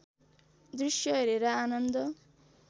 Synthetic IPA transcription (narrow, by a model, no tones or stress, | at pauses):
d̪rusjʌɦeɾeɾʌanʌnd̪ʌ